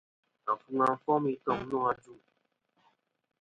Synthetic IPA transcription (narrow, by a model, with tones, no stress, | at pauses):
a˨fu˨ŋa˨m̩˨fɔ˦mi˦tɔ˨ŋ˦nɔ̃˦a˦d͡ʒu˦˨